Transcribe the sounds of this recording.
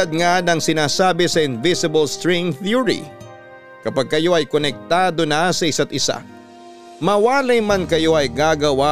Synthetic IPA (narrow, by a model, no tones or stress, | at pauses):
ɐd̪̚ŋad̪ɐŋsɪnaːsaːbɪsɐʔɪnvɪsɪbɐlst̪ɹɛŋθuɹḭ | kɐpaɡ̚kɐjo̞ʔɐjkonɛk̚t̪aːd̪o̞nasɐɪsat̪ʔɪsa̰ | mɐwaːlɐjmɐnkɐjo̞ʔɐjɡaːɡɐwa